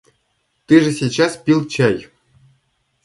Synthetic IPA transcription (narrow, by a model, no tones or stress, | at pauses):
t̪ɨʐɘ̆sʲit͡ɕɑspʲilˠt͡ɕɑj